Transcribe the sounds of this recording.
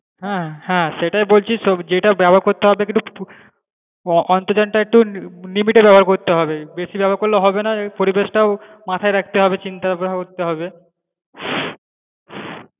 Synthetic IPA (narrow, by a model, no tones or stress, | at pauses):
ɦɛ̃hɛ̃ʃeʈaebolt͡ɕʰiʃɔd͡ʑeʈabɛbʱoaɾkoɾt̪eɦɔbekint̪u | ʔɔnt̪od͡ʑanʈaek̚ʈulimiʈebɛboɦaɾkoɾt̪eɦɔbebeʃibɛbʱoaɾkoɾleɦɔbenapoɾibeʃʈaomat̪ʰaeɾɛkʰt̪eɦɔbet͡ɕint̪abɛbakoɾt̪eɦɔbe